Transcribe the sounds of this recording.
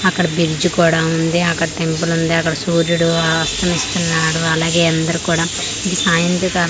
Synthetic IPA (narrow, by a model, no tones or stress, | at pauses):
ɐkːɐɽɐbiɾd͡ʒukuːɽaːund̪iɐkːɐɽɐʈe̞mpulund̪iɐkːɐɽɐsuːɾuɽuɐʋɐst̪ɐmist̪unːaːɽuɐlaːɡeːɐnd̪ɐɾukuːɽaː | iɡ̪isaːjɐnt̪ɾikaː